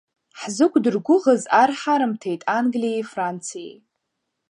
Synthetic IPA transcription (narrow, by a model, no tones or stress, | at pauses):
ħzɨkʷʰʼdɨrɡʷʊʁəzarħaɾɨmtʰejtʼanɡlijejfrant͡sʰijḛj